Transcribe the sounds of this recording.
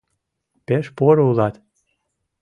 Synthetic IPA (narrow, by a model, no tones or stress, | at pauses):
peʃpoɾulɑt̪